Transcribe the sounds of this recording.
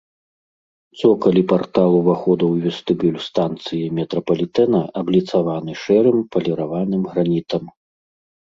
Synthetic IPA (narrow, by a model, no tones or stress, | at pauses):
t̪sɔkɐlʲipart̪alˠuvaxɔd̪ɐwvʲɛst̪ɨbʲulʲst̪ant̪sɨjimʲɛt̪ɾɐpɐlʲit̪ɛnɐʔɐblʲit̪savanɨʂɛɾɨmpɐlʲɛɾavanɨmɣɾanʲit̪ɐm